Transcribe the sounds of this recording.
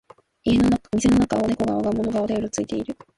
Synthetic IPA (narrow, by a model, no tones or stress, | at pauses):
ienoamʲise̞no̞nakaoneko̞ɡaoɡamo̞no̞ɡaod̪ajoɾot͡sɨit̪e̞iɾɯ̟